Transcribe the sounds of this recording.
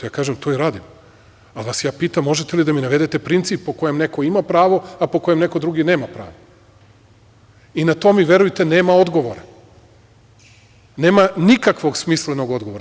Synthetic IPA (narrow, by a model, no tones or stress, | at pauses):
jaːkaːʒemt̪oiɾaːd̪im | alʋasjaːpiːt̪amːo̞ʒet̪elid̪aminaʋe̞d̪et̪epɾint̪sippːo̞ko̞jemne̞koimapɾaːʋo̞apo̞ko̞jemne̞ko̞d̪ɾuɡine̞ːmapɾa̰ːʋo | inat̪o̞miʋje̞ɾujt̪e̞neːmao̞d̪ɡo̞ʋoɾa | ne̞ːmanikakʋo̞ɡsmisleno̞ɡo̞d̪ɡo̞ʋoɾ